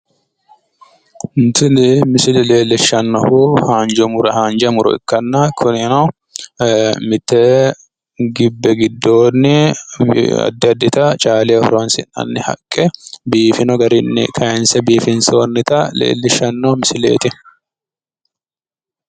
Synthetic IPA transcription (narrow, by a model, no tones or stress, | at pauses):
nt̪ɪnɪmɪsɪlɛleːlːɪʃːɐnːɐhuhaːnd͡ʒɔmʊɾɐhaːnd͡ʒɐmʊɾɔ̰ɪ̰kːɐnːɐkʰʊnɪnɐ | mɪt̪ːɛ | ɡɪbːɛɡɪd̪ːoːnːɪ | ɐ̰d̪ːɪɐd̪ːɪt̪ɐt͡ʃʼaːleɔfɾonsɪnːɐ̰nːɪhɐ̰kʼːɛbiːfɪnɔɡɐɾɪnːɪ̰kʰɐjɛnsɛbiːfɪnsoːnːɪt̪ɐlḛːlːɪʃːɐnːɐhmɪsɪlḛːt̪ɪ